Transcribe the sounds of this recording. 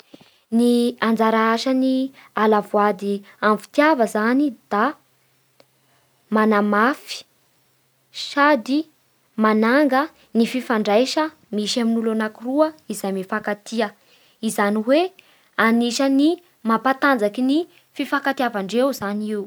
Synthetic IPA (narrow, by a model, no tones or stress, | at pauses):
niand͡zaɾaaʃənialavuad̪iamfi̥t̪javəzanid̪̥a | manamafi̥ | ʃad̪i | manaŋɡə | nififaɳɖ͡ʐajʃə | miʃaminulanakuruəizajmifakat̪iə | izaniwe | aniʃəni | mapat̪and͡zakini | fifakat̪iavaɳɖ͡ʐewzaniw